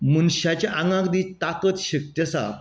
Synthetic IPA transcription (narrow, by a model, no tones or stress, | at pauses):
munɕat͡ɕaʔaŋɡãkd̪it̪akət̪ɕək̚t̪jəsa̰b